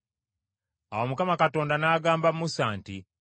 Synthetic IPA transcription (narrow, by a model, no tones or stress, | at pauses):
awomukamakato̞ːndanaːɡaːmbamusaːnti